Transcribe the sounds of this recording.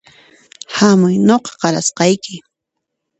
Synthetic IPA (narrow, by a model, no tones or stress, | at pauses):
hamʊjnoqɑ̥qɑɾa̰sqɑjkɪ